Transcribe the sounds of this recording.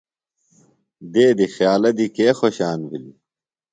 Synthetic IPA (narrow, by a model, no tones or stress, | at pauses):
d̪eːd̪ixjaːlɐd̪ikeːxoɕaːnvili